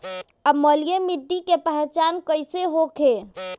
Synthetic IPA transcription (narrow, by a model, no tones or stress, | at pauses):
əməlijemiɖːikepəɦɛt͡ʃankəɪseɦokʰe